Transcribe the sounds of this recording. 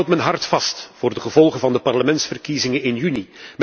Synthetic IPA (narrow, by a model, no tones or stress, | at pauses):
wtmɛənɦɑrtfɑstfʊːrdəɣəvɔlˠɣənvɑndəpɑrləmɛntsfərkizɪŋənɪnjynim